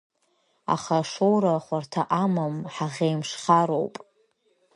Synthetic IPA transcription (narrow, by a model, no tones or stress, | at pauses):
a̰χaʂowɾaχʷartʰaʔamamħaʁʲejmʂχaɾowpʼ